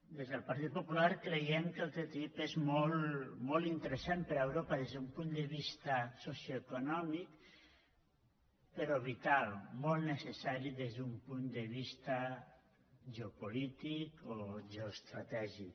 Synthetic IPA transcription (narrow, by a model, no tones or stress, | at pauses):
d̪ezðəlˠpaɾt̪it̪̚populaɾkɾejɛmkəlˠt̪ɾet̪ipezmɔlˠmɔlˠt̪int̪əɾəsanpəɾaewɾopaðezðumpund̪əβ̞ist̪asosjoekunɔmik | pəɾɔβit̪alˠmɔlˠnəsesaɾiðezðumpund̪əβ̞ist̪a | ʒeopolit̪ikoʒeost̪ɾat̪ɛʒi